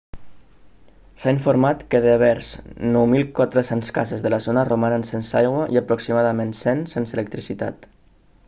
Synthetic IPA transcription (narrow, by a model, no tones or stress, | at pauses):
saiɱfoɾmat̪kəðeβ̞ɛɾz̥nɔwmilˠkwat̪ɾəsenskazezðəlazonəromaɾansensajɣwəʔiəpɾuksimaðamensensenselək̚t̪ɾisit̪a̰t̪